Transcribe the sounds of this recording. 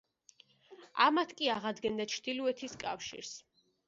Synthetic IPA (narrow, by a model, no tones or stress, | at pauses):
amat̪ʰkʼiaʁad̪ɡɛnd̪at͡ʃʰɾd̪̥iluɛt̪ʰiskʼa̰fʃḭɾs